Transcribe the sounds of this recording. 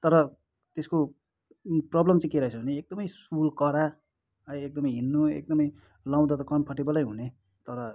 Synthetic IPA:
t̪ʌɾʌ | t̪esko | prʌblʌmt͡sʌ̃keɾʌɦet͡sʰʌbʌneek̚d̪ʌmʌjsulkʌɾa | ʌjek̚d̪ʌmʌjɦinːoḛk̚d̪ʌmʌj | law̃d̪at̪ʌkʌnpʰʌʈibʌlʌjɦune | t̪ʌɾʌ

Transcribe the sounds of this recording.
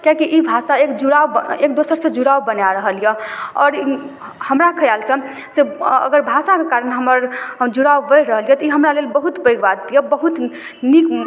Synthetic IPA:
kãkiʔibʱasaekd͡ʒuɽawekd̪osəɾsẽd͡ʒuɽawbənjaɾəɦəljɛɔ̰ːɾi | həmɾakʰəjalsə̃ | seə̰ɡəɾbʱasakekaɾənɦəməɾd͡ʒuɽawbəjɾəɦəlijɛt̪ɔiɦəmɾalelbəɦut̪bəjɡbad̪ijəbəɦut̪ | nik

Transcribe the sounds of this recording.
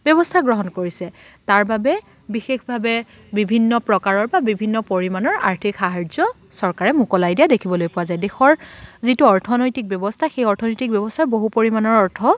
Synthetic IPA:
bjɔbɔstʰaɡɹɔɦɔnkoɹisɛtaɹbabɛ | bixexbʱabɛ | bibʱinːɔpɹɔkaɹɔɹbabibʱinːɔpoɹimanɔɹaɹtʰikxaɦaɹzɔ | sɔɹkaɹɛmukɔlajdijadekʰibɔlojpʊwazajdexɔɹzituɔɹtʰɔnojtik̚bjɔbɔstʰaxejɔɹtʰɔnojtik̚bjɔbɔstʰaɹboɦupoɹimanɔɹɔɹtʰɔ

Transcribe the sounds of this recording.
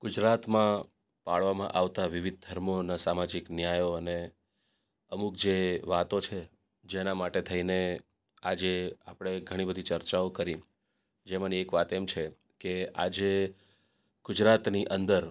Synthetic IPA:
ɡ̥ʊd͡ʒɾat̪mã | paɭʋamã̰ʔaʋt̪aʋɪʋɪd̪̚d̪ʱəɾmonasamad͡ʒiknjajoəne | əmukd͡ʒeʋat̪ot͡ʃʰe | d͡ʒenamaʈet̪ʰəine | ad͡ʒeapɽ̃eɡʱəɽ̃ibəd̪ʱit͡ʃəɾt͡ʃaokəɾi | d͡ʒemãniekʋat̪emt͡ʃʰe | kea̰d͡ʒe | ɡ̥ʊd͡ʒɾat̪niʔənd̪əɾ

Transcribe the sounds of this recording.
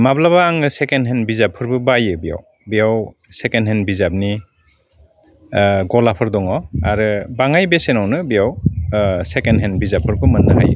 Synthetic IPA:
mablaβaːŋɯsekenɦenbizapʰːɯɾbɯbajɯbija̰w | bijaw | sekenɦenbizap̚ni | ɡɔlapʰɯɾdɔŋɔa̰ɾɯbaŋajbesenawnɯbijaw | sekenɦenbizapʰːɯɾbɯmɯnːɯɦa̰jɯ̰

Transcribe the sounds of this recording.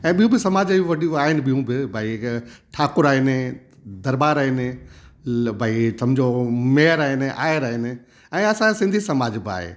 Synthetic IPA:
ɛ̃ːɓijũbɪsɐmaːd͡ʑʋɐɗijũaːɦɪnɪ̆ɓijũbɪbʱaːiʈʰaːkʊɾaːɦɪnɪ | d̪ɐɾbaːɾaːɦɪnɪ | bʱaːisɐmd͡ʑomeɦəɾaːɦɪnɪʔa̰ːəɾaːɦɪnɪ̆ | ɛ̃ːɐsãsɪ̃nd̪ʱisɐmaːd͡ʑbɪa̰ːɦḛː

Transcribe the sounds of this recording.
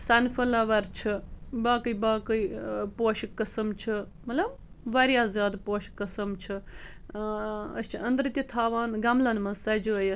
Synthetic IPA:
sɐnfɐlɐʋɐɾt͡ʃʰibaːkɨjbaːkɨjpoːʃikːɐsɐmt͡ʃʰɨ | mɐt̪lɐb | ʋɐɾjaːzjaːd̪poːʃkːɐsɐmt͡ʃʰi | ɐst͡ʃʰiɐnd̪ɾɨt̪ʲit̪ʰaːʋaːnɡɐmlɐnmɐsɐd͡ʒuɐjɐ

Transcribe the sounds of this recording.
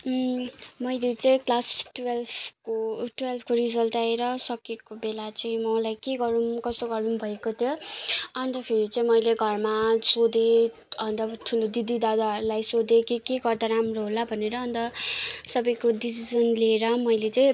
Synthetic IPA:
mʌjlet͡sʌĩklasʈwelpʰkoʈuwelpʰkorid͡zʌlt̪aeɾʌsʌkekobelat͡sʌĩmʌlajkeɡʌɾumkʌst̪oɡʌɾunbʱʌekot̪ʰjoʌnd̪ʌkʰeɾit͡sʌĩmʌjleɡʱʌrmasod̪e | ʌnd̪ʌt̪ʰulod̪id̪id̪ad̪aʌɾulajsod̪ekikeɡʌrd̪aɾamroɦolabʱʌneɾʌːnt̪ʌsʌbʌjkodisid͡zʌnlieɾʌmʌjlet͡sʌĩ

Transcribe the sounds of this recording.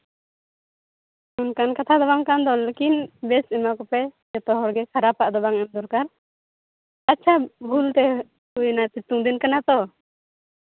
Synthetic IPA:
unkankat̪ʰad̪ɔbaŋkand̪ɔlekinbɛsimakɔpɛjɛt̪ɔɦɔɽɡɛkʰaɾapːaʔd̪ɔbaŋɛmd̪ɔɾkaɾ | atːt͡ʃʰabʱult̪ɛ | ujnat̪it̪uŋd̪inkanat̪ɔ

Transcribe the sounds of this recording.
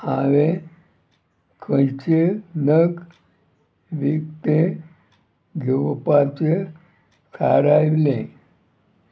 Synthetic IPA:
ãʋe | kʰə̃t͡ɕenəɡ | ʋikt̪e | ɡʱeʋpat͡se | sʰaɾajʋlẽ

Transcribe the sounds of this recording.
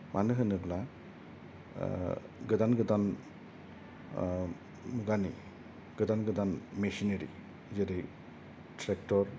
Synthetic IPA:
manɯɦɯnɯbla | ɡɯdanɡɯdan | muɡani | ɡ̥ɯdanɡɯdanmesineɾḭ | zeɾej | tʰɾek̚tɔɾ

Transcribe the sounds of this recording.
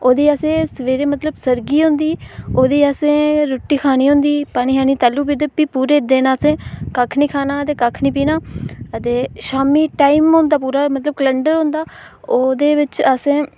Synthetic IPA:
oːd̪iːaːsẽːsəʋeːɾeːmət̪ləbsəɾɡiːɦʊ̃nd̪iːoːd̪iːəsẽːɾoːʈːiːkʰaːniːɦʊ̃ːnd̪iːpaːñiːɦaːniːt̪aːlːuːp̬id̪əpiːpuːɾeːd̪eːnãːəsẽːkaːkʰniːkʰaːnaːət̪eːkaːkʰniːpiːnaːət̪eːʃaːmiːʈaːimɦõːnd̪aːp̬uːɾaːmət̪ləb̚kələɳɖəɾɦõːnd̪aː | oːd̪eːʋɪt͡ʃəsẽː

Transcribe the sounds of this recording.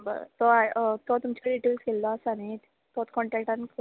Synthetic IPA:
ba̰t̪oat̪ɔt̪umt͡ɕaɖiʈelskelːɔəsanet̪ | t̪ɔt̪kɔɳʈɛk̚ʈank

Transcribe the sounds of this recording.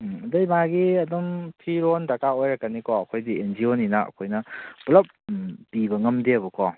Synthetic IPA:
dɐjmaɡiɐdɔmpʰiɾontɐkaojɾɐkːanikʰɔɐkʰojdiend͡ʒioninɐɐ̰kʰojnɐpulɐp̚pibɐŋɐmdiɐbɐkʰɔ

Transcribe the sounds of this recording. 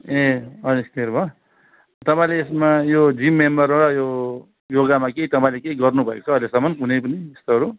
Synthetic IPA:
eʌest̪eɾbʱʌ | t̪ʌpãĩleːsmajod͡zimːembʌɾɾʌjo | joɡamakeit̪ʌpãĩlekeiɡʌrnubʱʌḛko̥t͡sʰʌʌjlesʌmʌnkunepʌniest̪oʌɾu

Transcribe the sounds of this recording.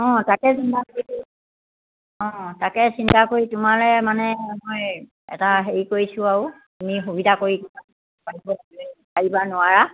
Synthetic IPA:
ɔ̃takɛsintakoɹi | ɔ̃takɛsintakoɹitʊmalɛmanɛmoj | ɛ̰taɦeɹikoɹisʊaʊ | tumixubidʱakoɹikɔna | paɹibɔaɛpaɹibanʊwaɹa

